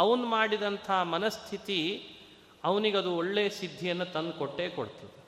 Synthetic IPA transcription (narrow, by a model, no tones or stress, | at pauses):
ɐʋɐnumaːɽid̪ɐnt̪ʰɐɦɐmɐnɐst̪ʰit̪i | ɐʋɐniɡeɐd̪uoɭːeːɐsid̪ʱːijɐnːut̪ɐnd̪koʈːe̞ːkoɽt̪iʋe